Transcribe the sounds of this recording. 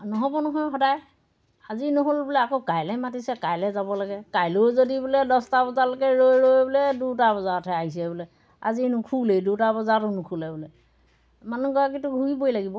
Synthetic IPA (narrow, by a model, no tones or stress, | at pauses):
nɔɦɔbɔnɔɦɔjxɔdaj | azinɔɦolbʊlɛakokajlɛmatisɛkajlɛzabɔlaɡɛkajlʊzodibulɛdɔstabɔzalokɛɹojɹojbɔlɛdutabɔzaɹɔtʰɛaɦis̬ɛbɔlɛ | a̰zinʊkʰuledutabɔzatʊnʊkʰulɛbʊlɛ | manuɡɔak̬itʊɡʱuibojlaɡibɔ